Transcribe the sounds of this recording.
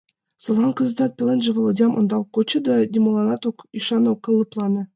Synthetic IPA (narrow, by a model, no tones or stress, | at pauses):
sɤ̆lˠʁɑnkɤ̆zd̪ɑt̪̚pʲelʲˠenʲʒevɤ̆lˠod̪ʲɑmʔŏ̰nd̪ɑwkot͡ɕɤ̆d̪od̪ʲimolˠɑnɑt̪okiʃɑnowkːɤ̆lˠːɤ̆plˠɑnɤ̆